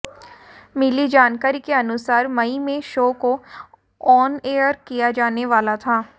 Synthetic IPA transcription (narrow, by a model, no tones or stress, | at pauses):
mɪlid͡ʒaːnkaːɾikeɐnʊsaːɾmɐimẽʃoːko | ɔːneːəɾkijad͡ʒaːneʋaːlat̪ʰaː